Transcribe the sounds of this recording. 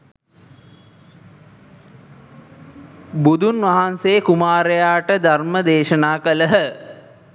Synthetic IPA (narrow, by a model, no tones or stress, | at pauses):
bud̪unʋaɦanseːkumaːɾejaːʈəd̪ʱarməd̪eːʃənaːkələɦə